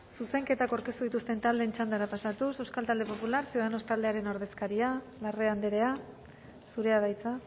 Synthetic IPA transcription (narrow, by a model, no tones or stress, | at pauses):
suse̞ŋke̞t̪akoɾkest̪uðit̪ust̪e̞nt̪ald̪eːnt͡ʃand̪aɾapasat̪use̞wskalt̪ald̪e̞po̞pulaɾsioð̞ano̞st̪ald̪e̞aɾe̞no̞ɾð̞e̞skaɾia | lare̞and̪eɾe̞a | suɾe̞að̞ajt͡sa